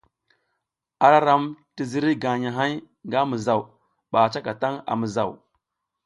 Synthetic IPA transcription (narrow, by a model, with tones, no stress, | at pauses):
a˨ɾa˦ɾa˦mti˨zi˦ɾi˦ɡa˨ɲa˨ɦa˦j | ŋɡa˦mə˨za˨w | ɓa˨t͡ʃa˦ka˨ta˦ŋa̰˨mə˨za˨w